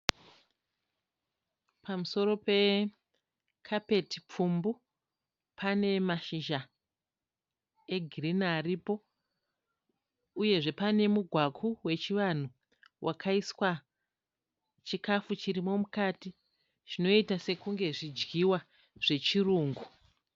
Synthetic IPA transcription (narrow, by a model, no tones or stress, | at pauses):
pamuso̞ɾo̞pe̞ | kʰape̞tip͡fumbu | pʰane̞maʃiʒa | e̞ɡʱirinaːripo̞ | uje̞ʐe̞pane̞muɡʱwakʰuwe̞t͡ʃiʋan̤u | wʔakʰaiswa | t͡ʃikafut͡ʃiɾimo̞mukati | ʐ̥ino̞itase̞kuŋɡe̞ʐid͡ʒɡiwa | ʐ̥e̞t͡ʃiruːŋɡu